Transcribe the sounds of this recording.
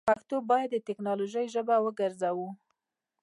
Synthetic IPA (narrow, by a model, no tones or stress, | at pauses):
paxt̪obɑjad̪ːət̪ɪknɑloʒəjʒəbawəɡəɾzawu